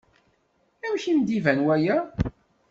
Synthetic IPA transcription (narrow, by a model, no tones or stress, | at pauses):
æmçind̪ivænwæjæ